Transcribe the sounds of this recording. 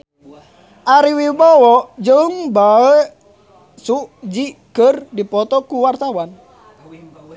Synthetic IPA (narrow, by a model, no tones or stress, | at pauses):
ʔaɾiwibɔwɔʔd͡ʒəŋbaə | suʔd͡ʒiʔɡ̥ərdipɔt̪ɔkuwart̪awan